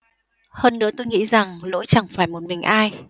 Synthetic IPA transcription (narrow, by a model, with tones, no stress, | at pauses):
həː˧nːɨ̰˧˥ət̪o˧jŋḭ˧˥za˨˩ŋlo̰˧˥jt͡ɕa˨˧˩ŋfaː˧˩jmo˨˩t̚mï˨˩ŋ̟ʔaː˧j